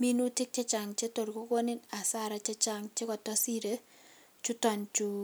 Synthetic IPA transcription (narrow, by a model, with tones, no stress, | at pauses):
mi˦nu˦tɪ˦k̚t͡ʃe˦t͡ʃa˨ŋt͡ʃe˦to˨ɾko˦ko˦nɪ˦na˨sa˦ɾa˨t͡ʃɛ˦t͡ʃa˦ŋt͡ʃe˦kɔ˨tɔ˦si˦ɾe˦ | t͡ʃu˦tɔ˨nt͡ʃu˦